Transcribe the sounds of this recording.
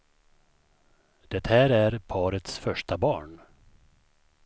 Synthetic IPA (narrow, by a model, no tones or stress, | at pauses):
d̪̥ɛt̪hæːɾæɾpʰɑːɾət̪sfœʂʈabɑ̰ːɳ